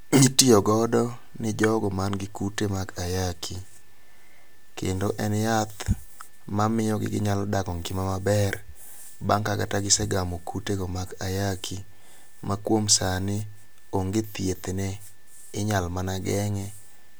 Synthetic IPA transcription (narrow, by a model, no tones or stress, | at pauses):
itiɔɡɔdɔ | nɪd͡ʒɔɡɔmanɡɪkutemakajakʰi | kendoʔɛnjat̪ | mamɪjɔɡɪ̰ɡɪɲalɔdakɔŋkɪmamabɛr | baŋkakataɡɪsɛɡamokuteɡɔmakajakʰi | makwomsanɪ | oŋɡet̪jet̪enɛ | ɪɲalmanaɡɛŋɛ